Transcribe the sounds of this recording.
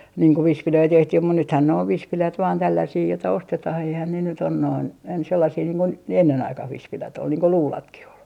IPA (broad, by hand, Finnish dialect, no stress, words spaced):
niːŋ ko ʋispiløi tehtih mut nythæn ne oʋ ʋispilæt ʋɑːn tælːæsiː jotɑ ostetɑh eihæn ne nyt on noin ens selːɑsiː niːŋ ko ne enːen ɑikɑh ʋispilæt ol niːŋ ko luːlɑtkih ol